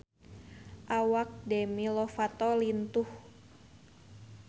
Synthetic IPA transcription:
ʔawak̚demilɔfat̪ɔlint̪uh

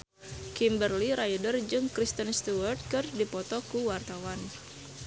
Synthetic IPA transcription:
kimbərliɾajdərd͡ʒɨŋkɾist̪ənst̪uərt̪̚kɨrdipɔt̪ɔkuwart̪awan

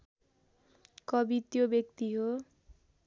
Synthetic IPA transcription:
kʌbit̪jobjʌk̚t̪iɦo

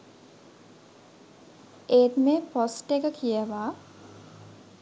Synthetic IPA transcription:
eːt̪meposʈekəkʰijəʋaː

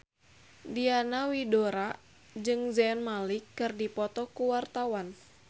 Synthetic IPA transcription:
dianawidoɾa | d͡ʒɨŋzɛnmalikːɨrdipɔt̪ɔkuwart̪awan

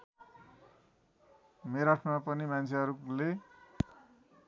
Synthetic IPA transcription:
meɾaʈʰmapʌnimant͡sʰeɦʌɾule

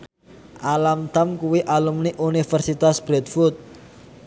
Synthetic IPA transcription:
ʔalamt̪amkuwiʔalumniʔunifərsit̪asb̥ɾɛt̪fut̪̚

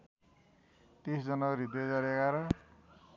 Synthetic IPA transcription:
t̪isd͡zʌnaɾid̪ed͡zʌɾekaɾʌ

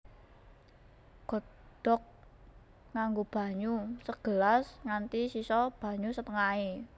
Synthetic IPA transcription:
ɡ̥ɔ̤ | d̪̥ɔk̚ | ŋaŋɡob̥a̤ɲusəɡ̥ə̤lasŋant̪isisɔb̥a̤ɲusət̪əŋae

